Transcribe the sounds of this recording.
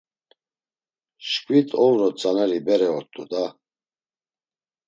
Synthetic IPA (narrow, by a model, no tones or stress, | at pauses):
ʃkʼwit̪ʰʼɔwɾɔt͡sʼanɛɾibɛɾɛɔt̪ʼṵd̪a